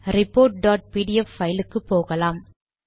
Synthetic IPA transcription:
ɾɪpːoːɾʈ̚ɖaːʈ̚piːʈɪjɛfːɐjlɯkːɯpːoːɣɐlaːm

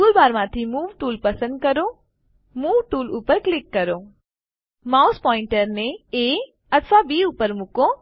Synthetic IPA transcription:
uːlbaːɾmãt̪ʰimuːʋʈuːlpɐsə̃nd̪̚kəɾo | muːʋʈuːluːpəɾklɪkːɐɾoː | maːʊspɔːɪ̃ɳʈəɾneeː | ɐt̪ʰfabiːuːpəɾmʊkõ

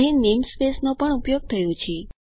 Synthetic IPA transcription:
ɦenemspesnopəɳupjoɡ̚t̪ʰəjõt͡ʃʰe

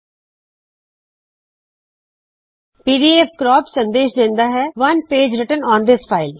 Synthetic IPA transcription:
piːɾiefkɾɔːpsə̃nd̪eːʃd̪ẽːnd̪aːɦɛːʋɐnpeːd͡ʒɾɪʈənɔ̃ːnd̪ɪspʰaːɪl

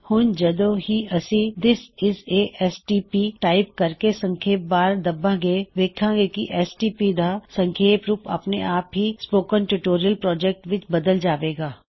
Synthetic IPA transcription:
hʊnd͡ʒɐd̪oɦiɐsid̪ɪsɪseːʔɛsʈiːpiːʈaːɪp̚kɐɾkesə̃ŋkʰeːp̚baːɾd̪ɐbãɡeʋeːkʰãːɡekiʔɛsʈiːpid̪asə̃ŋkʰeːpɾuːpɐ̰pnḛʔaːpɦispoːkənʈuʈoːɾijəlpɾɔːd͡ʒɛk̚ʈʋɪt͡ʃbɐd̪əld͡ʒaːʋeːɡaː

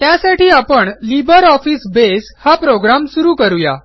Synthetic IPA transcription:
t̪jasaʈiːapəɳlibəɾɔfiːsbes | hapɾoɡɾamsuɾuːkəɾuja̰

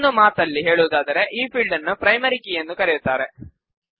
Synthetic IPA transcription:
nːumaːt̪ɐlːiɦe̞ːɭuʋud̪aːd̪ɐɾe̞ʔiːpʰiɭɖɐnːupɾɐjmɐɾikijɐnːukɐɾejut̪ːaːɾe̞

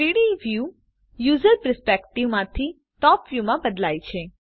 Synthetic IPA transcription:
iɽiʋju | juzəɾpəəɾspekʈiʋmãt̪ʰi | ʈɔpʋjumãbəd̪lajt͡ʃʰe

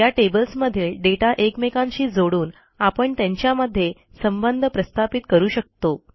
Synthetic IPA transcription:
jaʈebəlsməd̪ʱelɖeʈaʔekmekãɲɕiːd͡zoɽuːn | apəɳt̪jãɲt͡ɕjaməd̪ʱːje | səmbənd̪ʱəpɾəst̪ʰapit̪kəɾuːɕək̚t̪o

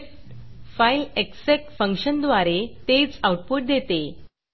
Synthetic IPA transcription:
faileksekfə̃ŋkɕənd̪ʋaɾet̪et͡sawʈ̚puʈ̚d̪ʱet̪e

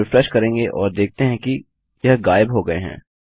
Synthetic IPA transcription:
ɪfɾɛʃkɐɾẽːŋɡeʔɔːɾd̪eːk̚t̪eɦɛ̃ki | jɐɦɡaːɪbɦoɡɐḛɦɛ̰̃ː

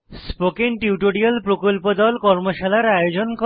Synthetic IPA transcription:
spokeŋʈiuʈoɽialpɾokolpod̪ɔlkɔɾmoʃalaɾajod͡ʑonko

